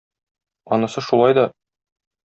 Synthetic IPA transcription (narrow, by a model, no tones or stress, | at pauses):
ɒnɤ̆sɤʃulˠɑjd̪ɒ